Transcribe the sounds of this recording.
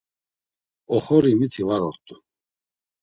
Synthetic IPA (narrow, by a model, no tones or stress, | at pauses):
ɔχɔɾimit̪ʰivaɾɔɾt̪ʼu